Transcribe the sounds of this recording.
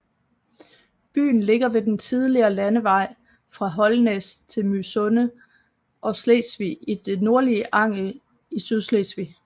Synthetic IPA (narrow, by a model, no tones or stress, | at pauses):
b̥y̰ːn̩le̝ɡ̥ɐʋe̝d̥ent͡sʰið̞ˠliɐːlænəʋɑ̈ɪ̰ | fʁɑ̈ɦɒ̽lnest͡sʰe̝lmysɔ̽nə | ʔɒ̽slesʋiid̥e̝no̝ɐliəʔɑ̈ŋ̰l̩ | isyð̞ˠslesʋi